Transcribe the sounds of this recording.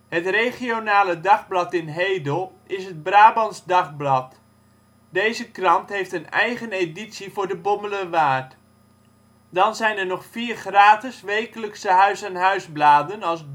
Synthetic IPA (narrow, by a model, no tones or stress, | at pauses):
hətrejχionaːlədɑχblɑtɪnɦejdəlˠɪsɦəd̚braːbɑnzdɑχblɑt | dejzəkrɑntɦejftənɛjχəneditsivʊːɹdəbomələʋaːt | dɑnzɛjnəɹnɔχfiːrχraːtɪsʋejkələksəɦœɥsanɦœɥzblaːdənɑlˠs